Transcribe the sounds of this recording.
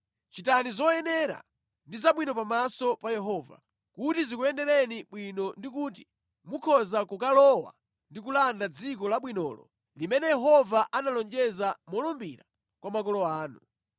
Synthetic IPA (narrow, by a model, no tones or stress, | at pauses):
t͡ʃitanizɔjɛnɛɾa̰ | ndizaɓwinɔpamasɔpajɛɦɔːva̰ | kutizikuɛndɛɾɛniɓwinɔndik̬ut̬i̥ | mukʰɔzakukalɔwa̰ | ndikulandad͡zikɔlaɓwinɔ̰ːlɔ̰ | limɛnɛjɛɦɔvaʔanalɔnd͡ʒɛzamɔlɔmbiɾa | kwamakɔlɔaːnṵ